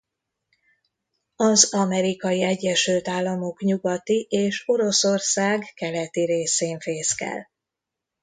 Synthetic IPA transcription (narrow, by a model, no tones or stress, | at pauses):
ɒzɒmɛɾikɒjiɛɟːɛʃylt̪aːlːɒmo̞kɲuɡɒt̪iʔeːʃo̞ɾo̞so̞rsaːɡkɛlɛt̪iɾeːseːɱfeːskɛ̰l